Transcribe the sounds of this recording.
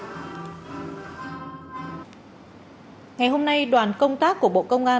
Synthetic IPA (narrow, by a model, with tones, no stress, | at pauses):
ŋa˨˩jho˧mna˧jɗwaː˨˩nkə˧wŋ͡mt̪aː˦˥kːu˧˩əɓo̰˧˨kə˧wŋ͡mʔaː˧